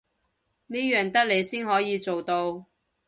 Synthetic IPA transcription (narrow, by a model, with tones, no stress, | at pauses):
neː˥jœː˨˩ŋt̪ɐ˥k̚le˨˧jsiː˥nɦɔː˨˥jiː˨˧t͡so˨wt̪o˧w